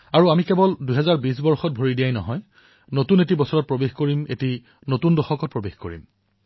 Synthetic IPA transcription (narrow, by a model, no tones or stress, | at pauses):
aɹuamikɛbɔlduɦɛzaɹbis̬bɔɹxɔt̚bʱoɹidijajnɔ̰ɦɔj | notunet̬ibɔsɔɹɔt̚pɹobexkoɹimḛti | notundɔxɔkɔt̚pɹobexkoɹḭm